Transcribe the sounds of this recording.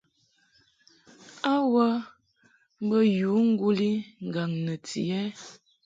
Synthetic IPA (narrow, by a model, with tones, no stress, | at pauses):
a˦wə˦ | m˦bə˦juː˨˦ŋ̩˦ɡu˦li˦ŋ̩˨ɡa˨ŋnə˨tḭ˨ɛ˦